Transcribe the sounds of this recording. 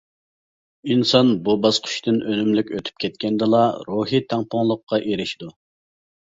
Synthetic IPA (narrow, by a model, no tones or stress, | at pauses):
insɑnbubɑsqʰʊ̥ʃt̪ɨnʔønymlykʲøt̪ʰy̥p̚kʲʰɛt̪̚kʲɛnd̪ɨlˠɑɾuɦit̪ʰæŋpʰoŋlˠəqːɑʔeɾɪʃid̪u